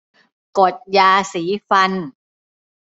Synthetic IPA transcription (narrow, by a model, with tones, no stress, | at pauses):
ko˨˩t̪̚jaː˧siː˩˦fa˧n